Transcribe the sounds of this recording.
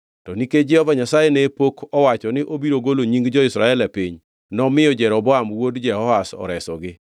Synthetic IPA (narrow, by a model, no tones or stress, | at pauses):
tɔniked͡ʒɛhɔvaɲasajenepokʰɔwat͡ʃɔnɪʔobiɾoɡoloɲiŋɡd͡ʒɔɪsɾaɛlapiɲ | nɔmɪjɔd͡ʒɛɾɔbɔamwodd͡ʒɛɦɔasɔ̰ɾɛsɔɡɪ